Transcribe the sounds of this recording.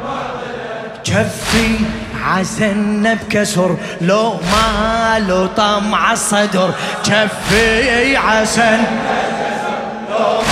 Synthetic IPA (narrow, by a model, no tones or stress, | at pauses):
t͡ʃafːi | ʕasanːabkasʊɾ | loʔmalot̪ˤɑmʕɑsˤɑd̪ʊɾˤ | t͡ʃafːiʕasan